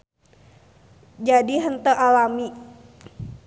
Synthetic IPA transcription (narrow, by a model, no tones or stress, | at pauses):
d͡ʒadiɦənt̪əʔalami